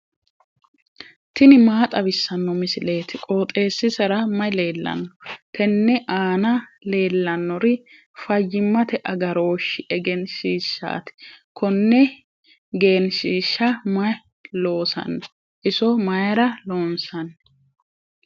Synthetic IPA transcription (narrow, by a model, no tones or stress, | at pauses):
t̪ɪnɪmaːt̪ʼɐbɪsːɐnːɔmɪsɪle̞ːt̪ɪkʼoːt̪ʼe̞ːsːɪsɐɾɐmɐjle̞ːlːɐ̰nːɔt̪ʰɛnːɛʔaːnɐle̞ːlːɐnːɔɾɪ | fɐjːɪmːɐt̪ɛʔɐɡɐɾo̞ːʃːɪʔɛɡɛnʃiːʃːa̰ːt̪ɪ̥kʰɔnːɛ | ɡe̞ːnʃiːʃːɐmɐj | lo̞ːsɐ̰nːɐ | ʔɪsɔmɐjɐɾɐlo̞ːnsɐn